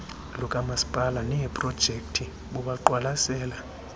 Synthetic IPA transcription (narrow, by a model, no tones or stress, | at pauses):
lɔkʼamasi̥pʼalanɛɛpʼrɔd̥ʒ̥ʱekʼtʰi | ɓuɓaǃwalasɛːla